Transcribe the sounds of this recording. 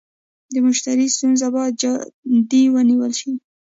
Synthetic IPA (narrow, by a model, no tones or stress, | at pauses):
d̪əmʊʃt̪aɾist̪unzabɑd͡ʒd̪iwəniwəlʃi